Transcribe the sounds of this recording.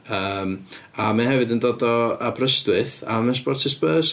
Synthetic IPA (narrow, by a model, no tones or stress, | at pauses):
əːmamanɦɛvɨdəndoːdɔabrəstwɨθamənspɔrtʰɪspəːs